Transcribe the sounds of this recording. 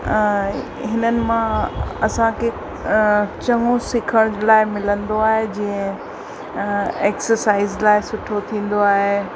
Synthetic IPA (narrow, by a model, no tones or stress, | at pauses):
ɦɪnənɪ̆mãɐsãkʰeː | t͡ɕɐŋosɪkʰəɽ̃d͡ʑlaːɪmɪlə̃nd̪oaːɦed͡ʑiːə̃ | eːksəɾsaːɪzlaːɪsʊʈʰot̪ʰĩːn̆d̪oaːɦeː